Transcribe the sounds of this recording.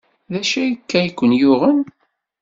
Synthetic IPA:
ðæʃæjəkːæjikʷːənjʊʁən

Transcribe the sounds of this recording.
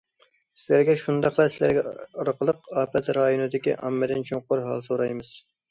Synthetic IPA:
sɪlæɾɡʲɛʃund̪ɑχlˠɑsɪlæ̰ɾɡʲɛɑɾqəlˠəqɑːpɛt̪ɾɑjonɨd̪ɪkʲḭʔɑ̰mːɨd̪ɪnt͡ʃʰuŋqʊɾɦɑ̰lˠsoɾɑjmɨz̥

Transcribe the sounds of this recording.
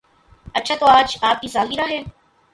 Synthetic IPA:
ɐtːʃʰat̪oːaːd͡ʒaːp̚kisaːliːɾaɦeː

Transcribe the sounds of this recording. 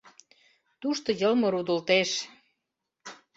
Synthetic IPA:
t̪uʃt̪ŏjɤlmɤ̆ɾud̪ə̆lt̪eʃ

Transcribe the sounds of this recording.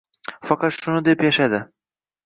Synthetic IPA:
fɑqʰɑt̪ʃʊnɪd̪e̞pjaʃad̪ɪ

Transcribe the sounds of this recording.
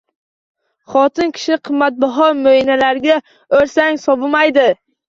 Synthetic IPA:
χɒt̪ʰɪnkʲʰɪ̥ʃnɪqʰɨmːat̪̚bɒɦɒɾmoinalaɾɡʲa | ɵɾsaŋsɒbʊmajd̪ɪ

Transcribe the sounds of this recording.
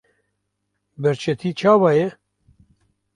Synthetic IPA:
bɛɾt͡ʃʰɛt̪ʰiːt͡ʃʰaːwaːjɛ

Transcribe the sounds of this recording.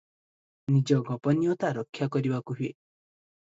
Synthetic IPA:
nid͡ʒɔɡɔpɔnijɔt̪aɾɔkʰːjakɔɾibakuɦue

